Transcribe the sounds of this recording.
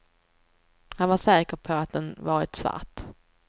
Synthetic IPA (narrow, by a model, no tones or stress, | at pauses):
hanvaʂɛːkəɾpʰɔat̪̚d̪ɛnvɑːɾɪ̰t̪sva̰ɾt̪